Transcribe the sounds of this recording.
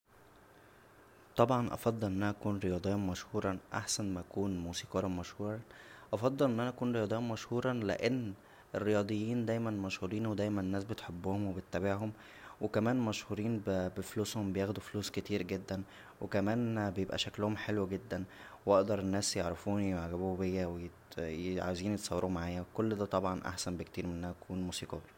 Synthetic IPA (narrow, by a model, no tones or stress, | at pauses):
t̪ˤɑbʕɑnʔɑ̰fɑd̪ˤːelʔenʔænæʔækuːnɾejɑːd̪ˤejːmæʃhuːɾˤɑʔa̰ħsænmæʔækuːnmuːsiːqɑɾɑmæʃhuːɾˤɑʔɑfɑd̪ˤːɑlʔenːʔænæʔækuːnɾejɑːd̪ˤejːinmæʃhuːɾˤɑlḛʔenː | ʔerːejɑːd̪ˤejːiːnd̪æjmænmæʃhuːɾiːnwed̪æjmænenːæːsbet̪ħobːohomwebet̪ːæbeʕɦom | wekæmæːnmæʃhuːɾiːnbbefluːshombejæːxd̪ufluːsket̪iːɾɡed̪ːæn | wekæmæːnbejebʔæ̰ʃæklohomħelwɡed̪ːæn | wɑʔd̪ɑɾˤenːæːsjeʕɾefuːniwʕɡæbuːbejːæweje | ʕa̰weziːnjet̪sˤɑwːeɾuːmaʕaːjækolːd̪æːt̪ˤɑbʕɑnʔa̰ħsænbekt̪iːɾmeʔænæʔkʰuːnmuːsiːqɑ̰ːɾ